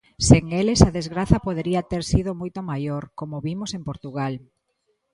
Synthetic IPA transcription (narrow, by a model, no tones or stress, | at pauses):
seŋelesaðezɣɾaθɐpoðeɾiat̪eɾsiðomojt̪omajoɾkomoβimosempoɾt̪uɣal